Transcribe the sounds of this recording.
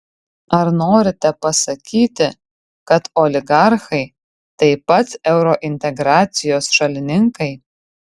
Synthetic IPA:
ɐɾnoːɾʲɪt̪ʲɛpɐsɐkʲiːt̪ʲɪ | kɐt̪oːlʲɪɡɑɾxɐɪ | t̪ɐɪpɐt̪sɛʊɾoʔɪnʲt̪ʲɛɡɾɑːt̪sʲɪjoːsʃɐlʲɪnʲɪŋkɐɪ

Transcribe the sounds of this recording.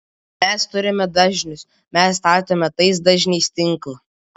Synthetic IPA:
mʲɛst̪ʊɾʲɪmʲɛd̪ɐʒʲnʲʊs | mʲɛsːt̪ɑːɾt̪ʲoːmʲɛt̪ɐɪsd̪ɐʒʲnʲɛɪst̪ʲɪŋˑklˠɐ

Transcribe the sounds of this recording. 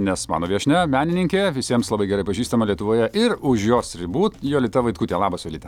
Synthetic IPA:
nʲɛsmɑ̰ːnoːʋʲiɛʃʲnʲɛmʲæːnʲɪnʲɪŋʲkʲeːʋʲɪsʲiɛmslˠɐbɐɪɡʲɛɾɐɪpɐʒʲiːst̪ɐmɐlʲiɛt̪ʊʋoːjɛʔɪɾʊʃjoːsɾʲɪbuːt̪joːlʲɪt̪ɐʋɐɪt̪kuːt̪ʲeːlˠɑːbɐsʲjoːlʲɪːt̪ʲɛ

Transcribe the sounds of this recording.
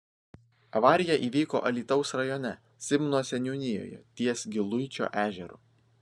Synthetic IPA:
ɐʋɑːɾʲɪjɛʔiːʋʲiːko̰ːʔɐlʲiːt̪ɒʊsɾɐjɔːnʲɛ | sʲɪmnoːsʲɛnʲuːnʲɪjo̰ːjɛ̰t̪ʲiɛsɡʲɪlˠʊɪt͡ʃʲo̰ːʔæːʒʲɛɾṵː

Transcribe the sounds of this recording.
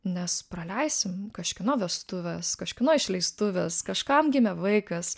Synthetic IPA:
nʲɛspɾɐlʲɛɪsʲɪmkɐʃʲkʲɪnoːʋʲɛst̪ʊʋʲɛskɐʃʲkʲɪnoːɪʃʲlʲɛɪst̪ʊʋʲɛskɐʃkɐmɡʲɪmʲɛʋɐɪkɐs

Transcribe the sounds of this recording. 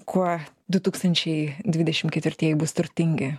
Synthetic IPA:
kʰuɔ | d̪ʊt̪uːkst̪ɐnʲt͡ʃʲɛɪd̪ʲʋʲɪdʲɛʃʲɪmkʲɛt̪ʲʋʲɪɾʲt̪ʲiɛjɪbʊst̪ʊɾʲt̪ʲɪŋʲɡʲɪ

